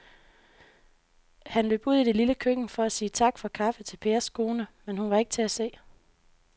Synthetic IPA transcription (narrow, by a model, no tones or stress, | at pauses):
hænløb̥uð̞̰ˠid̥e̝liləkʰøɡ̥n̩fɒ̽æsiːt͡sʰɑ̈ɡ̥fɒ̽kʰɑ̈fət͡sʰe̝lpʰe̝ːɐskʰo̝ːnəmenhunʋɑ̈e̝ɡ̥ə̥t͡sʰe̝æse̝̰ː